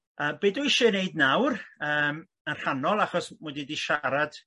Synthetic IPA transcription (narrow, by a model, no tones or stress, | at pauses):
əːbeːduɪʃɔneɨdnawrəːm | ənr̥anɔlˠaχɔsmwɛdidiʃaɾad̥